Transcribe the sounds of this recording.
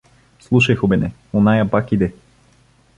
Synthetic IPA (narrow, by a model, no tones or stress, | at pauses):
slˠuʃɐjxobɛnɛ | onajapakid̪ɛ